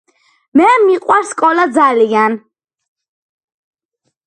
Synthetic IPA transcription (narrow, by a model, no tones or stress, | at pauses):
mɛmiqʼwaɾskʼɔlad̪zalian